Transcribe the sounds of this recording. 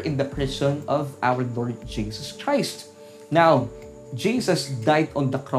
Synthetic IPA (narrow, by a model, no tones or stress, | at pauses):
ʔɪ̃nd̪ɐpɹɪsɔ̃nɔva̰wəɹlɔːɹd̪̚d͡ʒiːsɐskɹaɪst̪ | naw | d͡ʒiːsɐsd̪ajd̪ɔ̃nd̪ɐkɹɔ